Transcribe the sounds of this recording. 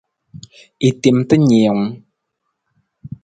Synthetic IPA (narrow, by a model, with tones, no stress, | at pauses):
i˨t̪i˨mt̪ə˦ɲɛ˨ə˨ŋ